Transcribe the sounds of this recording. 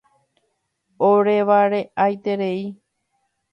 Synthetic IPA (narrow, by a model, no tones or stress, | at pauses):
oɾeʋaɾeʔajt̪e̞ɾe̞i